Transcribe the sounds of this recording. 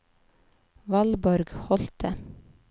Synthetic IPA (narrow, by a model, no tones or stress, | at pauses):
ʋɑlbɔɾɡhɔlt̪ʰə